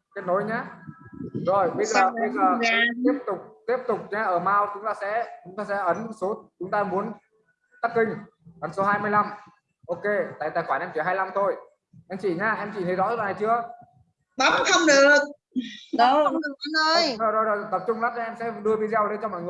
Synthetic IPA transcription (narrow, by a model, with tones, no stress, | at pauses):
kt̚no˨˦jɲaː˨˧˥ | zo˨˩jɓi˦˥t̚aː˧˨˧e˧˦zəː˨˩˧t̪i˦˥əp̚t̪ʊ˨˩k͡p̚t̪i˦˥əp̚t̪ʊ˨˩k͡p̚ɲaː˧ʔəː˧˩maː˧wt͡ɕʊ˨˦ŋ͡mt̪aː˧sɛ̰˧˥t͡ɕʊ˨˦ŋ͡mt̪aː˧sɛ̰˧˥ʔə˨˦n˨so˨˦t͡ɕʊ˨˦ŋ͡mt̪aː˧mu˨˦ən | t̪a˦˥k̚ːï˧ŋ̟ | ʔə˨˦nso˨˦ɦaː˧jmɨ˧əjla˧m | ʔo˧ke˧t̪a̰ː˧˨t̪aː˧˨˩xwaː˧˩nʔɛ˧mt͡ɕi˧˩ɦaː˧jla˧mt̪ʰo˧j | ʔɛ˧mt͡ɕi˧˩ɲaː˧ʔɛ˧mt͡ɕi˧˩t̪ʰə˨˦jzɔ̰˧˥˦la˨na˨˩t͡ɕɨ˧ə | ɓa˨˦mt̪ʰə˧wŋ͡mɗɨ˨˩ək̚ | ɗə˨˧˦wə˧˥ɗɨ˨˩ək̚ə˨˦nʔəː˧jzo˨˩jzo˨˩jzo˨˩jt̪ə˨˩p̚t͡ɕʊ˧ŋ͡mlaː˦˥k̚ːʔɛ˧msɛ̰˧˥ɗɨ˧əvi˧zɛ˧wɗe˧nt͡ɕɔ˧mɔ̰˧˨jŋɨ˨˩əj